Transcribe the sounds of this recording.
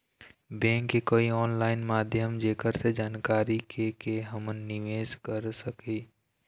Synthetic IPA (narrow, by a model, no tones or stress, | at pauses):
bɛ̃ːŋkːekoːiɔːnlaːɪnmaːd̪ʱjəmd͡ʒeːkəɾsed͡ʒaːnkaːɾikʰekeɦəmənːɪʋeːskəɾsəki